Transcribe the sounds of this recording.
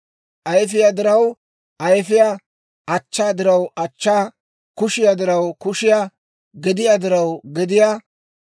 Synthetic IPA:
ʔɐjfɪjad̪ɪɾɐw | ʔɐjfɪja | ʔɐt͡ʃːaːd̪ɪɾɐwɐt͡ʃːaː | kʊʃɪjad̪ɪɾɐwkʊʃɪja | ɡɛd̪ɪjad̪ɪɾɐwɡɛd̪ɪja

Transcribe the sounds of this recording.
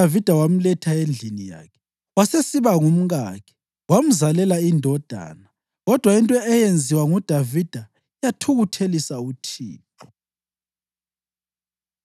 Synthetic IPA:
avid̥ʱawam̩lɛtʰaend͡ɮʱinija̰ːkʰɛ̥ | wasesiβaŋum̩ɣa̰kʰɛ̥ | wam̩zalɛlaindʱɔd̥ʱa̰ːna | ɣɔd̥ʱwaintʼɔɛjend͡zʱiwaŋud̥ʱavid̥ʱa | jatʰuɣutʰelisautʰḭːpʰɔ

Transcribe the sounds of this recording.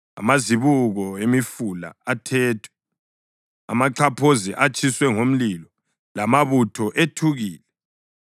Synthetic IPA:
a̰maziβuɣɔemifula̰ːtʰɛːtʰwɛ̥ | a̰maǃʰapʰozḭʔat͡ʃʰʼiswɛŋom̩lilɔ | lamaβutʰɔʔetʰuɣiːlɛ

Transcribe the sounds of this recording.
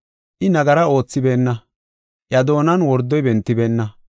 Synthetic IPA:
ʔɪnɐɡɐɾɐo̞ːt͡sːɪbe̞ːnːɐ | ʔjɐd̪o̞ːnɐnwɔɾd̪ːɔjbɛnt̪ːɪbe̞ːnːɐ

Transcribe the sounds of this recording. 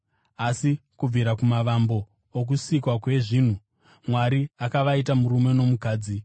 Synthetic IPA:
asikub͡vʱiɾakumaʋambo̞ː | k̬usikwakwe̞ʐiːn̤u | mwaɾiakaʋait̬amuɾume̞no̞mukaːd͡zi

